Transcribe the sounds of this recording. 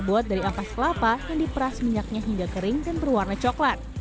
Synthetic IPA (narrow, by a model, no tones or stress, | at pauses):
buat̪̚daɾiapaskəlapajaŋdipəɾasmiɲak̚ɲaɦiŋɡakəɾɪŋdanbərwarnat͡ʃɔklat̪̚